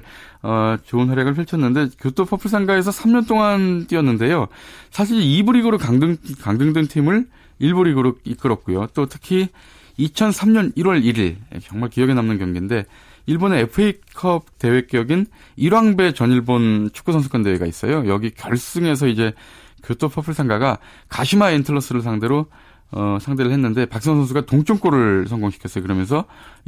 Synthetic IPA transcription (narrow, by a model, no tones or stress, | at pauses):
ʌt͡ɕoɯnɦwaɾjaɡɯɭpʰiɭt͡ɕʰʌnːɯnde̞kjotʰopʰʌpʰɯsʰaŋɡae̞s̬ʰʌsʰamɲʌnt͈oŋant͈iʌnːɯnde̞josʰaɕ̬ʰiɾibuɾiɡɯɾokaŋdɯŋkaŋdɯŋdɯŋtʰimɯɭ | iɭbuɾiɡɯɾoɡ̚ik͈ɯɾʌk̚k͈ujot͈otʰɯ̥kʰi | it͡ɕʰʌnsʰamɲʌniɾwʌɭiɾiɭ̰kjʌŋmaɭkijʌɡe̞namnɯnkjʌŋɡinde̞ | iɭboneepʰɯeikʰʌb̚te̞we̞k͈jʌɡin | iɾaŋbe̞t͡ɕʌɲiɭbont͡ɕʰu̥k͈usʰʌnsʰɯk͈ʌnde̞weɡais͈ʌjojʌɡikjʌɭs͈ɯŋe̞s̬ʰʌid͡ʑe̞ | kjotʰopʰʌpʰɯɭsʰaŋɡaɡa | kaɕʰimaentʰɯɭːʌs͈ɯɾɯɭs̬ʰaŋde̞ɾo | ʌsʰaŋde̞ɾɯɭhenːɯnde̞pak̚s͈ʌŋsʰʌnsʰuɡatoŋt͡ɕʰoŋk͈oɾɯɭsʰʌŋɡoŋɕʰi̥kʰjʌs͈ʌjokɯɾʌmjʌnsʰʌ